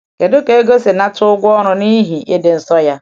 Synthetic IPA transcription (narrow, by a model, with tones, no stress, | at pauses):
ke˨dʊ˦ke˨e˦ɡo˦se˨na˦tʊ˦ʊ˦ɡʷʊ˦ɔ˦ɾʊ˨ni˦ɦi˨e˦dɪ˨n̩˨sɔ˦ja˦